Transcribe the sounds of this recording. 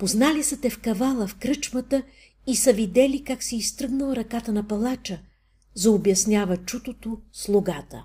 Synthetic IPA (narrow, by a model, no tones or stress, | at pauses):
poznalisɐt̪ɛfkɐvalˠəfkɾɤt͡ʃmɐt̪ə | isɐvid̪ɛlikaksɛist̪ɾɤɡnɐlˠɾɐkat̪ənɐpɐlˠat͡ʃə | zɐobjɐsnʲjavɐt͡ʃut̪ot̪oslˠʊɡat̪ə̰